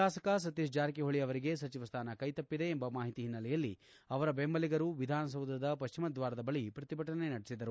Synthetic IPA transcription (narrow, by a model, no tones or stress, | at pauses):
aːsɐkɐs̬ɐt̪iʃd͡ʒaːɾikeɦoɭijɐʋɐɾiɡe̞s̬ɐt͡ʃiʋɐst̪ʰaːnɐkɐjt̪ɐpːid̪e̞ːmbɐmaːɦit̪iɦinːɐlɛjɐlːi | ɐʋɐɾɐbembɐliɡɐɾuʋid̪ʱaːnɐs̬ɐwd̪ʱɐd̪ɐpɐʃt͡ʃimɐd̪ʋaːɾɐd̪ɐbɐɭipɾɐt̪ibʱɐʈɐne̞nɐɽesid̪ɐɾu